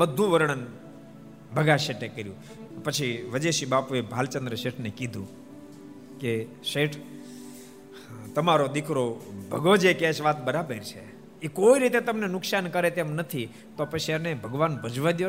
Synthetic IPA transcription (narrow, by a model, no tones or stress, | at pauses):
bəd̪ʱːũʋəɾɳ̃ən | bʱəɡaʃeʈekəɾjũ | pət͡ʃʰiʋəd͡ʒeʃibapuebʱalt͡ʃənd̪ɾəʃeʈʰnekid̪ʱṵ̃ | ke | ʃeʈʰ | t̪əmaɾod̪ikʰɾobʱəɡod͡ʒekeʃʋat̪bəɾabəɾt͡ʃʰe | ekoiɾit̪et̪əmnenʊksankəɾet̪emnət̪ʰi | t̪opət͡ʃʰianebʱəɡʋanbʱəd͡ʒʋad̪jo